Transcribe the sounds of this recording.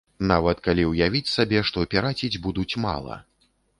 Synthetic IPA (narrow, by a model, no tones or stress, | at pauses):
navɐt̪kalʲiwjavʲit͡sʲsabʲɛʂt̪ɔpʲaɾat͡sʲid͡zʲbud̪ut͡sʲma̰lˠɐ̰